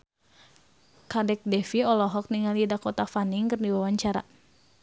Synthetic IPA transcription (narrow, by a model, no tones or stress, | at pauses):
kadɛk̚dɛfiɔlɔɦɔk̚niŋalidakɔt̪afaniŋkɨrdiwawaɲt͡ʃaɾa̰